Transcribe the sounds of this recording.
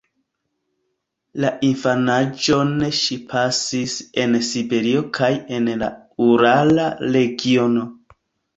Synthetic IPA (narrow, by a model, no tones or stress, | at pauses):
laʔinfanad͡ʒo̞ne̞ʃipʰasise̞nsibe̞ɾio̞kʰaje̞nla̰ | uɾalaɾe̞ɡio̞no̞